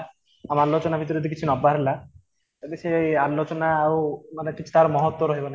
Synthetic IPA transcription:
amaaɾlot͡ʃɔnabʱit̪̬ɔɾid̪ikit͡ʃʰinɔbaɾɦela | t̪at̪esealot͡ʃɔnaːwmanekit͡ʃʰu̥t̪aɾmɔɦɔt̪ːwɔɾɔɦibɔna

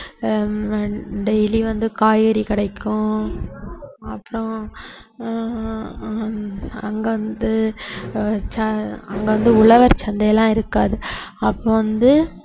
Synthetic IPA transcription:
ɖɛjliʋɐnd̪ɯkaːjɣɐɾikɪɽɐɪkːʊ̃ | ɐpːɯɾɔ̃ | ɐ̰ŋɡɐʋɐnd̪ɯ | t͡ʃɐɐŋɡɐʋɐnd̪ɯʊɭɐʋɐɾt͡ʃɐnd̪ɐjɛlːãːɪɾɯkːaːðɯɐpːoʋɐnd̪ɯ

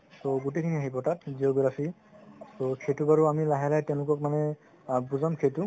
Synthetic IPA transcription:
soɡutekʰiniaɦibɔtatziɔɡɹapʰi | sokʰetubaɹuamilaɦɛlajtɛʊ̃lʊkɔkmanɛ | buzamkʰetu

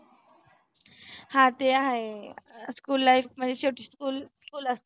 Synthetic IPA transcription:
hãt̪eaɦeskuːlːaifm̤ənd͡zeɕoʈʰiskuːlskuːləst̪e

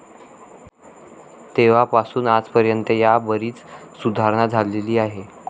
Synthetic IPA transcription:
t̪eʋ̤apasuːnad͡zpəɾjənt̪əjabəɾiːt͡ssud̪ʱaɾɳ̃ad͡zʱaleliːaɦe

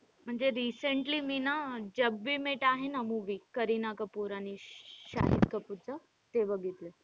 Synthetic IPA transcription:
m̤əɳd͡zeɾiːsəɳʈliminad͡ʑəbʋimeʈaɦenəmuʋikəɾinakəpuɾaniɕa̰ɦḭt̪kəpuɾt͡sə | t̪eʋəɡit̪le

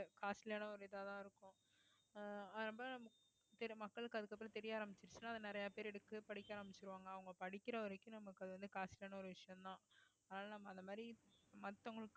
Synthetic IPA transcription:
kaːsɪleːnɐɔɾɯɪðaːt̪ãːɪɾɯkːʊ̃ | ɐðɯnɐmbɐnɐmɐ | t̪ɛɾmɐkːɐɭɯkːɯɐðɯkːɐpːɪɾɐ̃t̪ɛɾɪjaːɾɐmbɪt͡ʃːɪɾɯt͡ʃːɯnːaːɐðɯnɪɾɐjapeːɾɛɽɯkːɯpɐɽɪkʲːaːɾɐmbɪt͡ʃːɪɾɯʋaːŋɡɐːʋɐŋɡɐpɐɽɪkʲːɪɾɐɔɾɐkʲːʊ̃nɐmːɐkːɐðɯʋɐnd̪ɯkaːsɪleːɳɐɔɾɯʋɪʂɐjɐ̃mt̪ãːɐːnaːlɐnɐmːɐːnd̪ɐmaːðɾimɐt̪ːɐŋɡɐɭɯkː

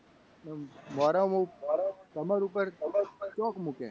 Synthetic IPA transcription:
nɛmaːɾamaumaɾat̪əmaɾupəɾt̪əmaɾupəɾt͡ʃɔːkmukḛ̃

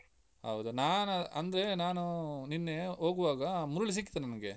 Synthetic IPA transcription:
ɦɐ̰wd̪unaːnɐnd̪ɐɾe̞naːnuninːeoːɡuʋaːɡɐmuɾuɭis̬ikːit̪ːenɐnɐɡe̞

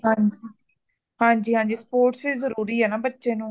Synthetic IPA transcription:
ɦãːɲd͡ʒi | hãːɲd͡ʒiːɦãːɲd͡ʒiːspoːɾʈsʋizəɾuːɾiːɦɛːnaːbətːʃẽːnũː

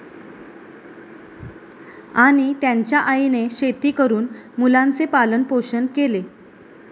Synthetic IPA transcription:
aɽ̃it̪jaɲt͡ɕjaʔaineɕet̪iːkəɾuːnmulãnt͡sepalənpoɕənkele

